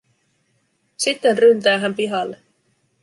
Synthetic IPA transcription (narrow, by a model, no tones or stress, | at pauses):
sit̪ːenrynt̪æːɦæmpiɦɑlːe